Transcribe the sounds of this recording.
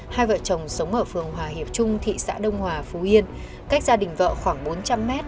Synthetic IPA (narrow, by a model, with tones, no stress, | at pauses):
haː˧jvə̰ː˧˨t͡ɕə˨˩wŋ͡msə˨˦wŋ͡mʔəː˧˩fɨ˨˩əŋɦwaː˨˩hi˨˩əp̚t͡ɕʊ˧ŋ͡mt̪ʰḭ˧˨sa̰ː˧˥ɗə˧wŋ͡mhwaː˨˩fu˨˦ʔi˧ən | ka˦˥k̟̚zaː˧ɗï˨˩ŋ̟və̰ː˧˨xwaː˧˩ŋɓo˨˦nt͡ɕa˧mːɛ˦˥t̚